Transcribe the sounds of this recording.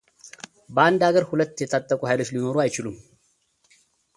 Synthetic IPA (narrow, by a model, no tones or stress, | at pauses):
bəand̪aɡəɾhulət̪ːjɛt̪ʰat̪ʼːəkʼuhajlo̞t͡ʃːlino̞ɾuajt͡ʃɪlum